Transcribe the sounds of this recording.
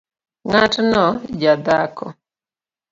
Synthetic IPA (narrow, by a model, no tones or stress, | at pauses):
ŋatnɔd͡ʒad̪akɔ̰